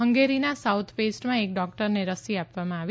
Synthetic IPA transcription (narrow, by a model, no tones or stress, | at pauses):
ɦəŋɡeɾinasaut̪ʰpesʈmãek̚ɖɔk̚ʈəɾneɾəsiapʋamãaʋi